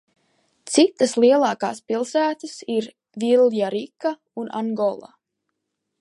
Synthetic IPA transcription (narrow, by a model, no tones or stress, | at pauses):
t̪sit̪ːaslˠiɛlˠɑːkaːspilˠsæːt̪asiɾ | vilˠjaɾikːa | una̰ŋɡɔlˠa̰